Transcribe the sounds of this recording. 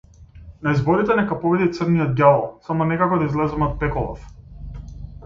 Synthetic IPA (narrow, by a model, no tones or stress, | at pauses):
naizbɔɾit̪ɛnɛkapɔbid̪it̪srnijɔd̪̚ɡʲalˠɔsamɔnɛkakɔd̪aizlɛzɛmɔt̪̚pɛkɔlˠɔ̰f